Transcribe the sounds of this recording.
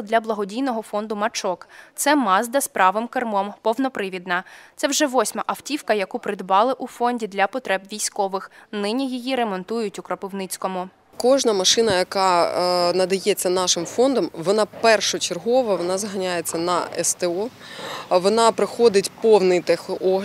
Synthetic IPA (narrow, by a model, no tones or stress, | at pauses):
d̪lʲɐblˠɐɦɔdʲijnɔɦɔfɔnd̪ʊmɐt͡ʃɔkt̪sɛmɑzd̪ɐspɾɑʋɪmkɐrmɔmpɔwnɔpɾɪʋʲid̪nɐt̪sɛwʒɛʋɔsʲmɐʔɐftʲiwkɐjɐkupɾɪd̪bɑlˠɪʔʊfɔnʲdʲid̪lʲɐpɔt̪ɾɛbʋʲijsʲkɔʋɪxnɪnʲijijiɾemɔnt̪ujʊtʲʊkɾɔpɪwnɪt͡sʲkɔmʊ | kɔʒnɐmɐʃɪnɐjɐkɑnɐd̪ɐjɛt͡sʲːɐnɑʃɪmfɔnd̪ɔmʋɔnɑpɛrʃɔt͡ʃerɦɔʋɐʋɔnɑzɦɐnʲajet͡sʲːɐnɐɛ̰st̪eɔ | ʋɔnɑpɾɪxɔd̪ɪtʲpɔwnɪjt̪ɛxʔɔ